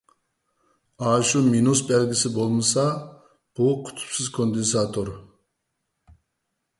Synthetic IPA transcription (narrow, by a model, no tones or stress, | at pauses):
ɑːʃuminusbɛlɡʲisɪbolˠmɨsɑ | b̥ukʰy̥t̪ʰy̥psizkʰond̪ens̬ɑt̪ʰoɾ